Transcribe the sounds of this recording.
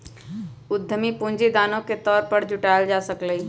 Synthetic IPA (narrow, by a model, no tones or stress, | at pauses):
ʊd̪ʱːəmipʊ̃nd͡ʒid̪aːnõket̪ɔːɾpəɾd͡ʒʊʈaːɪld͡ʒaːsəkləi